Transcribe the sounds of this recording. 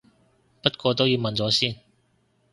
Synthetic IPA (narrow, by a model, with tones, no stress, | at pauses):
pɐ˥t̚kʷɔː˧t̪o˥wjiː˨˧wmɐ˨nt͡sɔː˨˥siː˥˩n